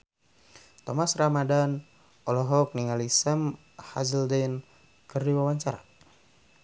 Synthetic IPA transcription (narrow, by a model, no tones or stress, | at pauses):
t̪ɔmasramadan | ɔlɔɦɔk̚niŋalisam | hazəldɛn | kɨrdiwawaɲt͡ʃaɾa̰